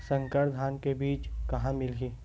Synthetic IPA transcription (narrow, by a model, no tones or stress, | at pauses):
sə̃ŋkəɾd̪ʱaːnkebiːt͡ʃkɐɦãmɪlɡiː